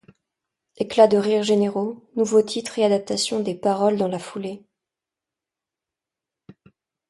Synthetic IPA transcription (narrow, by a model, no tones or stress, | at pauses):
eklad̪əʁiʁʒeneʁonuvot̪ʰit̪χead̪ap̚t̪asjɔ̃d̪epaʁɔld̪ɑ̃lafule